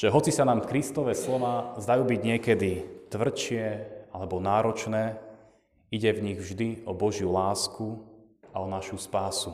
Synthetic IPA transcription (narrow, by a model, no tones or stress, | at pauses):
ʒ̥ɛɦɔt͡sisanaːmfkɾist̪ɔʋɛslɔʋazd̪ajuːbiɟɲɪɛkɛd̪it̪ʋr̩t͡ʃɪɛalɛbɔnaːɾɔt͡ʃnɛː | iɟɛvɲiɣvʒd̪iɔbɔʒjulaːsku | aɔnaʃuspaːsu